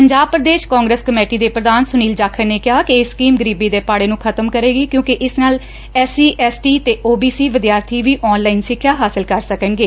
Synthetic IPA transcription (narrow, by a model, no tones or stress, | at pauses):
pəɲd͡ʒaːb̚pɾəd̪eːʃkãːŋɡɾeːskəmeːʈiːd̪eːpɾəd̪aːnsʊniːld͡ʒaːkʰəɾneːkɪɦaːkɪeːskiːmɡəɾiːbiːd̪eːpaːɽeːnũːkʰət̪əmkəɾeːɡiːkjõːkɪʔɪsnaːl | ɛːsiːʔɛːsʈiːt̪eːʔoːbiːsiːʋɪd̪jaːɾt̪ʰiːʋiːʔɔːnlaːinsɪkʰːjaːɦaːsɪlkəɾsəkəŋɡeː